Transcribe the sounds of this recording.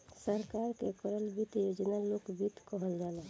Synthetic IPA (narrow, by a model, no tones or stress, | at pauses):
səɾkaɾkekəɾəlbit̪jod͡ʒnalokbit̪kəɦəld͡ʒaːlɛ